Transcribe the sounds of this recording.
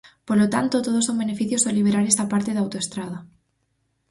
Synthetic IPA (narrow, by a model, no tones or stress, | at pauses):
poɾlot̪ant̪ot̪oðosoŋbene̞fiθjosoliβ̞eɾaɾest̪apaɾt̪eðawt̪oest̪ɾaða